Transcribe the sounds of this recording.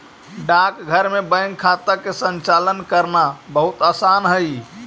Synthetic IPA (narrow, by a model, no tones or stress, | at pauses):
ɖakɡʱəɾmebə̃jŋkʰːat̪akesənt͡ʃalənkəɾnabəɦut̪asanɦəj